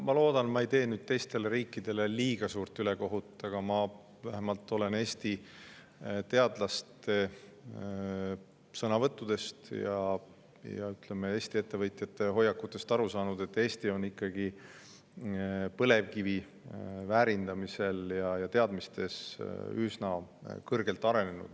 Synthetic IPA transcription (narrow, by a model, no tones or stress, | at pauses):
mɑlo̞ːd̪̥ɑnmɑe̞jt̪e̞ːnyːd̪̥̚t̪e̞jst̪e̞leɾiːkˑːid̪̥e̞leliːɡ̥ɑsuːrt̪ːˑyle̞ko̞ɦut̪ˑːɑɡ̥ɑmɑ | væɦemɑlt̪ːˑo̞le̞neːst̪i | t̪e̞ɑd̪̥lɑst̪e̞ | sɤnɑvɤt̪ːˑud̪̥e̞st̪jɑ | jɑ̰yt̪le̞me̞e̞ːst̪ie̞t̪ːe̞vɤjt̪jɑt̪ːˑe̞ɦo̞jːɑkːut̪ːˑe̞st̪ɑɾusɑːnud̪e̞t̪ːe̞ːst̪io̞nːikːɑɡ̥i | pɤle̞vkivi | væːɾind̪̥ɑmise̞ljɑjɑt̪e̞ɑd̪mist̪e̞sysnɑkɤrɡ̥e̞lt̪ːˑɑɾe̞ne̞nṵd̪̥